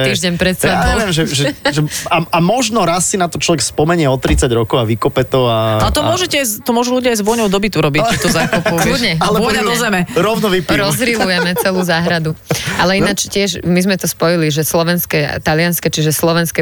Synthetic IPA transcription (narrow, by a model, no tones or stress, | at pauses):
tːʒɟɛɲpɾɛt̪sɛd̪ɲɛʋɪɛmʒɛʒɛʒɛaamɔʒnɔɾasːinat̪ɔt͡ʃlɔʋɛkspɔmɛɲɪɛɔt̪ɾit͡saɟɾɔkɔʊaʋikɔpɛt̪ɔaalɛt̪ɔmmʊɔʒɛcɛajzt̪ɔmʊɔʒuluɟɪiajzʋɔɲɔʊd̪ɔbit̪uɾɔbiat̪ɔzakɔpɔudɲɛalɛɔɲad̪ɔzɛmɛɾɔʊnɔʋipiɾɔzɾilujɛmɛt͡sɛluːzaːɦɾad̪ualɛinat͡ʃcɪɛʃmizmɛt̪ɔspɔiliʒɛslɔʋɛnskɛt̪alɪanskɛt͡ʃiʒɛslɔʋɛnskɛ